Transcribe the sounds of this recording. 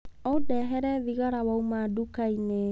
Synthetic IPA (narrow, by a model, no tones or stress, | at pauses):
ɔdɛɦɛɾɛðiɣaɾawaumadukaine